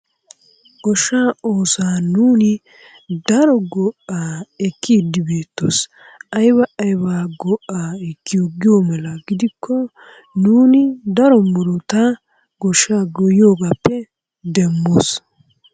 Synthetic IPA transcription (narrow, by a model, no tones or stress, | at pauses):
ɡɔʃaːoːsaːnuːnɪ | d̪ɐɾɔɡɔʔaːɛkːɪd̪ɪbeːt̪ːo̰s | ɐjbɐʔɐjbaːɡɔʔaːɛkːɪjoɡɪjomɐlɐɡɪd̪ɪkʰːɔ | nuːnɪd̪ɐɾɔmʊɾɔt̪ɐ | ɡɔʃːaːɡɔjo̞ːɡapːɛ | d̪ɛmːo̰ːs